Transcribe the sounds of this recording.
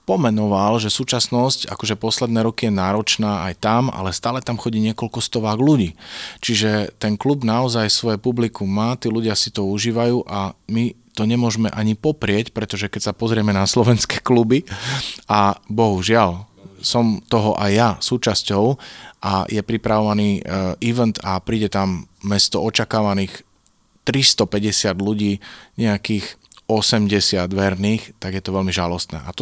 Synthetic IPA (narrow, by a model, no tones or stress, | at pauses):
pɔmɛnɔʋalʒɛsuːt͡ʃasnɔsca̰kɔʒɛpɔslɛd̪nɛːɾɔkijɛnaːɾɔt͡ʃnaːa̰jt̪ama̰lɛst̪aːlɛt̪amxɔɟiːɲɪɛkɔlkɔst̪ɔʋaːɣluɟiːt͡ʃiʒɛt̪ɛnklubnaɔzajsʋɔjɛpublikuːaːt̪iːluɟɪasit̪ɔuʒiːʋajuːʔamit̪ɔɲɛmʊɔʒmɛʔaɲipɔpɾɪɛcpɾɛt̪ɔʒɛkɛcsapɔzɾɪɛmɛnaslɔʋɛnskɛ̥ːklubi | abɔɦuʒɪal | sɔmt̪ɔɦɔʔajːasuːt͡ʃascɔʊʔajɛpɾipɾaʋɔʋaniːʔiʋɛnt̪apɾiːɟɛt̪amːɛst̪ɔɔt͡ʃakaːʋaniːx | t̪ɾist̪ɔpɛɟɛsɪad̪luɟiːɲɛakiːxɔsɛmɟɛsɪad̪ʋɛɾniːxt̪aɡjɛt̪ɔʋɛlmiʒalɔst̪nɛ̰ːʔat̪ɔ